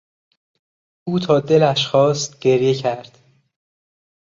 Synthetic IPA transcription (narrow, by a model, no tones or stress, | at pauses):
uːt̪ʰɒːd̪e̞læʃxɒːst̪ɟ̥e̞ɾjecʰæɾd̪̥